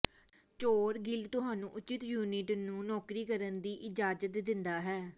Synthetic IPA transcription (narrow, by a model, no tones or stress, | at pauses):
t͡ʃoːɾɡɪlt̪ʊɦaːnũːʔʊt͡ʃɪt̪juːnɪʈnũːnɔːkɾiːkəɾənd̪iːʔɪd͡ʒaːd͡ʒət̪d̪ɪnd̪aːɦɛː